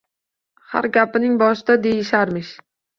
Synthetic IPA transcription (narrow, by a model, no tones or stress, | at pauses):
ha̰ɾɡʲapɪnɪŋbɒʃɪd̪ad̪ejɪʃaɾmɪʃ